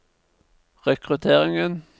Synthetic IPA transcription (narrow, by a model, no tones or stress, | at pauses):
ʁɛkʰʁʉt̪ʰeːʁɪŋən